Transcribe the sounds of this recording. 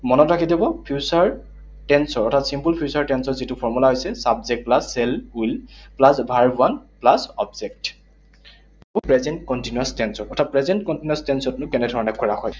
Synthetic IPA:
mɔnɔtɹakidibɔpʰjusaɹ | tɛnsɔɹɔtʰatsimpulpʰiusaɹtɛnsɔɹzitʊpʰɔɹmulaɦojsɛsabzɛk̚plasːɛlujlplasbʱaɹbuanplasɔ̰bzɛk̚t | upɹɛzɛntkɔntinuastɛnsɔɔtʰapɹɛzɛntkɔntinuastɛnsɔtnʊ̃kɛnɛdʱɔɹɔnɛkʰɔɹaxɔj

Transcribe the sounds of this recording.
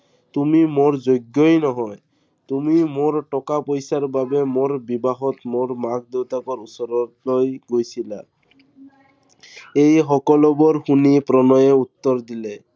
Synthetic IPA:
t̪umimoɾd͡ʒoɡːojnɔɦɔe | t̪umimoɾʈɔkapojsaɾbabemoɾbibaɦɔt̪moɾmaɡ̚d̪ewt̪akɔɾusɔɾɔlɔjɡojsʰila̰ | ejɦɔkɔlɔbɔɾhunipɾɔnɔjeut̪ːɔɾd̪ile

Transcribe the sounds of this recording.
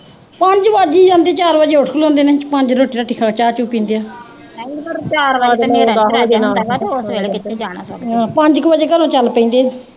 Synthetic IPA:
pəɲd͡ʒʋəd͡ʒiːd͡ʒãːnd̪eːt͡ʃaːɾbəd͡ʒeːoʈʰklõːnd̪eːnɛːpəɲd͡ʒɾoːʈiːɾaːʈɪkʰaːt͡ʃaːt͡ʃuːpĩːnd̪ejaː | kəɾt͡ʃaːɾad͡ʒenaːosʋeːlekɪt̪ʰːeːd͡ʒaːɽ̃a̰ːsɔɡãːpə̃ɲd͡ʒkbəd͡ʒeːkəɾõːt͡ʃəlpəĩːnd̪eː

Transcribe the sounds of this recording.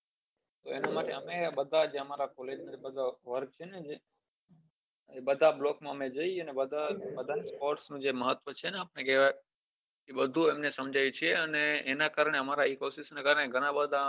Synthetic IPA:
t̪oenamaʈeəmebəd̪ʱad͡ʒeəmaɾakɔled͡ʒnaibəd̪ʱaʋəɾk̚t͡ʃʰened͡ʒe | ebəd̪ʱablɔkmãəmed͡ʒəiənebəd̪ʱabəd̪ʱanispoɾʈsnũd͡ʒeməɦət̪ʋət͡ʃʰeneapnekeʋa | keɓəd̪ʱũemnesəmd͡ʒʱajũt͡ʃʰieəneːnakaːɾɳ̃eəmaɾaikosɪsnakaːɾəɳeɡʱəɽ̃ãbəd̪ʱa

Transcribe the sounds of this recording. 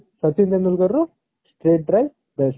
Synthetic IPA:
sɐt̪ind̪enulɡɐɾːu | sʈɾeːʈ̚ɖɾɐj | bes

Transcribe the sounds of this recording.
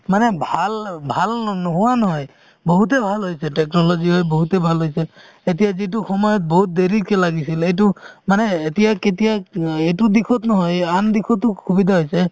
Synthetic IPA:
manɛbʱalbʱalnɔɦʊwanɔɦɔj | bɔɦut̬ɛbʱalɦojsɛtɛknɔlɔziɦɔjbɔɦutɛbʱalɦojsɛ | etijazit̬uxɔmɔjɔt̚boɦut̪̚d̪eɹikelaɡisilejt̬ʊmanɛːtijaketijaejtud̪ikʰɔtnɔɦɔjand̪ikʰɔtːʊkʰubid̪ʱaɦojsɛ

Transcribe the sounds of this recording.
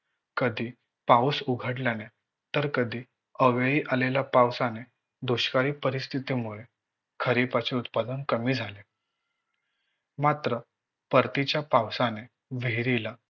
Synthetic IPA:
kəd̪ʱiː | pawsuɡʱəɽlane | t̪əɾkəd̪ʱiː | əʋeɭiːʔalelapawsane | d̪oɕkaɾiːpəɾist̪ʰit̪imuɭe | kʰəɾipat͡seut̪pad̪ənkəmiːd͡zʱale | mat̪ɾə | pəɾt̪it͡ɕjapawsane | ʋeɾila

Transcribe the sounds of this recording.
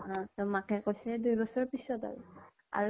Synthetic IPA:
ɔ̃tɔmakʰɛkojsɛdujbɔsɔɹpisɔta̰ɹṵ | a̰ɹ

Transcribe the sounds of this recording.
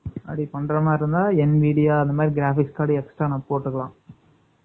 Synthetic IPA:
ɐ̰ɽipɐɳɖɾɐmaːɪɾɯnd̪aːɛnʋiːɽɪjaːɐnd̪ɐmaːd̪ɾiɡɪɾaːfɪkskaːɽiɛksʈɾaːnãːpoːʈːɯkːɐɭãː

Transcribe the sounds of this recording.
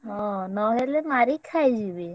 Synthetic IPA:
ɦɔ̃nɔɦelemaɾikʰajd͡ʒibe

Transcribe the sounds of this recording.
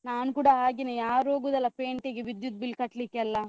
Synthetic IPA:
naːnukuːɽaaːɡinejaːɾoːɡuːd̪ɐlːɐpeːɳʈeɡeʋid̪jut̪̚bilːkɐʈlikːeɐlːa

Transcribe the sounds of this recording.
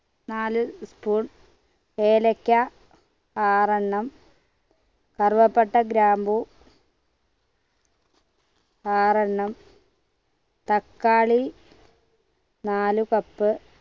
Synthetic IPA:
naːluspuːɳ | eːlɐkʲːɐ | aːrɐɳːɐm | kɐrʋɐpːeʈːɐɡɾaːmbu | aːrɐɳːɐm | t̪ɐkːaːɭi | naːlukɐpːɨ

